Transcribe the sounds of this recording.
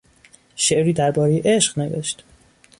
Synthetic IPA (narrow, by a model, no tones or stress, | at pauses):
ʃe̞ʔɾiːd̪æɾbɒːɾejeʔeʃɢ̥ne̞ve̞̰ʃt̪